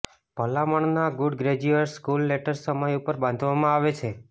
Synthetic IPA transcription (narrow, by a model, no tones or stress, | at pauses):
pəlaməɳnaɡʊɖɡɾed͡ʒuəʈskulːeʈəɾsəməjupəɾbãnd̪ʱʋamãaʋet͡ʃʰe